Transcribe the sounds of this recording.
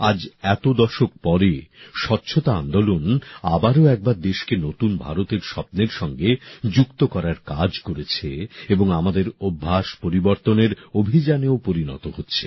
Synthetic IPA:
ad͡ʑɛt̪od̪ɔʃok̚pɔɾeʃɔtːɕʰot̪aa̰nd̪olona̰baɾoɛk̚baɾd̪eʃkenot̪unbʱa̰ɾot̪eɾʃɔp̚neɾʃɔŋɡed͡ʑukt̪okɔɾaɾkad͡ʑkoɾet͡ɕʰeeboŋamad̪eɾobʱːaʃpoɾiboɾt̪oneɾobʱid͡ʑaneopoɾinɔ̰t̪ohotːɕʰe̥

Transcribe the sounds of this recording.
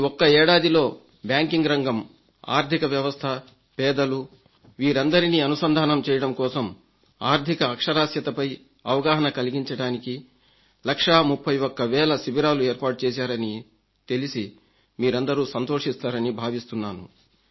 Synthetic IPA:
ɔkːɐɛːɽaːd̪ilo̞ː | bjaːŋkiŋɡɾɐŋɡɐm | a̰ːɾt̪ʰikɐʋjɐʋɐst̪ʰɐ | pɛːd̪ɐlu | ʋiːɾɐnd̪ɐɾiniːɐnusɐnd̪ʱaːnɐmt͡ʃɛːjɐɽɐmkɔːsɐm | aːɾt̪ʰikɐːkʂɐɾaːsjɐt̪ɐpɐj | ɐʋɐɡaːɦɐnɐkɐliɡiɲt͡ʃɐɽaːniki | lɐkʂamupʰːɐjɔkːɐʋɛːlɐsibiɾaːluɛːɾpaːʈut͡ʃɛːs̬aːɾɐni | t̪elisi | miːɾɐnd̪ɐɾuːsɐnt̪oːʂist̪aːɾɐnibʱaːʋist̪unːaːnṵ

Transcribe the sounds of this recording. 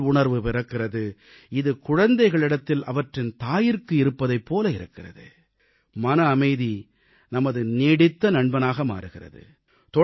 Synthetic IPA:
ʊɳɐɾʋɯpɪɾɐkːɪrɐðɯ | ɪðɯkʊɻɐnd̪ɐɪɣɐɭɪɽɐt̪ːɪlʔɐʋɐʈrɪnt̪aːjɪɾkɯɪɾɯpːɐðɐɪpːoːlɐɪɾɯkːɪrɐ̰ðɯ̰ | mɐnɐːmɐɪði | nɐmɐðɯneːɽɪt̪ːɐnɐɳbɐnaːɣɐma̰ːɾɯɣɪrɐ̰ðɯ̰ | t̪ɔ

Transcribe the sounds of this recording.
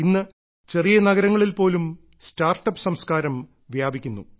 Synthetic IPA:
inːɨ | t͡ɕe̞rijɐnɐɡɐɾɐŋːɐɭilpo̞ːlum | staːrʈːɐpːɨ̥sɐmskaːɾɐm | ʋjaːbʱikʲːunːṵ

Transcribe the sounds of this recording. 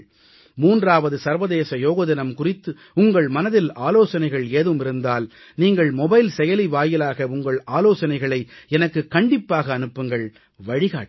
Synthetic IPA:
muːndraːʋɐðɯsɐɾʋɐðeːsɐjoːɣɐðɪnɐmkʊrɪt̪ːɯ | ʊŋɡɐɭmɐnɐðɪlaːloːsɐnɐɪɣɐɭeːðɯmɪɾɯnd̪aːl | niːŋɡɐɭmɔbɐɪlsɛjɐliʋaːjɪlaːɣɐʊŋɡɐɭaːloːsɐnɐɪɣɐɭɐɪɛnɐkːɯkːɐɳɖɪpːaːɣɐːnɯpːɯŋɡɐɭ | ʋɐɻɪɣa̰ː

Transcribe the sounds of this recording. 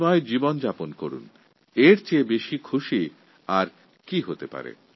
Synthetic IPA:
ɔed͡ʑibond͡ʑaponkoɾṵn | eɾt͡ɕebeʃikʰuʃi | aɾ | kiɦot̪epa̰ɾḛ

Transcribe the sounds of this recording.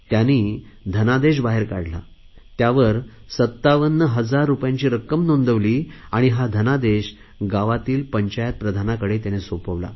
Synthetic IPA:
t̪janiː | d̪ʱənad̪eɕ̬baɦeɾka̰ɽ̤la̰ | t̪jaʋəɾ | sət̪ːaʋənːəɦəd͡zaɾːupjãɲt͡ɕiːɾəkəmnond̪əʋliːaɽ̃iɦad̪ʱənad̪eɕ | ɡaʋat̪iːlpəɲt͡ɕajət̪̚pɾəd̪ʱanakəɽet̪janesopəʋla̰

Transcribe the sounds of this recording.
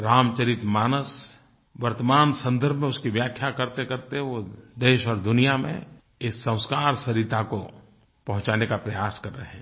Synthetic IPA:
ɾaːmt͡ʃəɾɪt̪maːnəs | ʋɐɾt̪əmaːnsə̃nd̪əɾbʱmẽʊskiʋjaːkʰjakɐɾt̪ekɐɾt̪eɦɛ̃ʋod̪eːʃɔːɾd̪ʊnijamḛ̃ | ɪsːɐ̃ʊ̃skaːɾsɐɾit̪ʰako | pɐɦʊ̃t͡ʃaːnekapɾɐjaːskɐɾːəɦẽː

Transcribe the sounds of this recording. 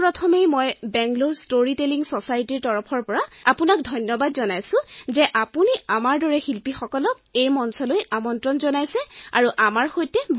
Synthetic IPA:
pɹɔtʰɔmejmɔjbɛŋɡloɹstoɹiteliŋsɔsajtiɹtɔɹɔpʰɔɹpɔɹaapunak̚dʱɔjnjɔbadzɔnajsʊ̃zɛʔapuniamaɹdɔɹɛxilpixɔkɔlɔk̚ejmɔnsɔlojamɔntɹɔnzɔnajsɛa̰ɹuʔamaɹxojtɛb

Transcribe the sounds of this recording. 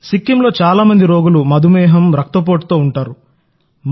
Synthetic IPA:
sikːimlo̞ːt͡ʃaːlaːmɐnd̪iɾo̞ːɡulumɐd̪ʱumɛːɦɐmɾɐk̚t̪ɐp̬o̞ːʈt̪o̞ːuɳʈaːɾu | m

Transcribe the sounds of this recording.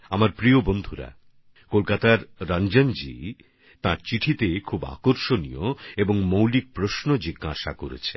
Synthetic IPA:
amaɾpɾiobond̪ʱuɾa̰ | kolkat̪aɾːand͡ʑand͡ʑḭ | t̪aɾt͡ɕiʈʰit̪ekʰuba̰koɾʃonijoeboŋmowlik̚pɾoʃnod͡ʑiɡːa̰ʃa̰koɾḛt͡ɕʰe

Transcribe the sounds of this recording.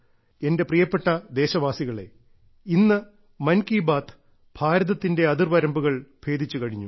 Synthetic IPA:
e̞nde̞prijɐpːe̞ʈːɐd̪e̞ːɕɐʋaːsiɣɐɭe̞̰ | inːɨ | mɐnkiːbaːt̪ʰ | b̥ʱaːɾɐðɐt̪ːinde̞ɐðirʋɐɾɐmbuɣɐɭb̥ʱe̞ːd̪ʱit͡ɕːukɐɻiɲːu

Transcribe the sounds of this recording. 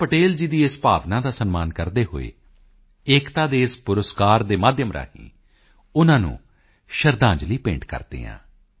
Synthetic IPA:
pəʈeːld͡ʒiːd̪iːɪspaːʋnãːd̪aːsənmaːnkəɾd̪eːɦo̰ːḛː | ɪːkt̪ãːd̪eːɪspʊɾəskaːɾd̪eːmaːd̪jəmɾʔa̰ːɦḭ̃ː | ʊnãːnṵ̃ː | ʃəɾd̪ãːɲd͡ʒliːpẽːɳʈkə̰ɾd̪ḛːã̰ː

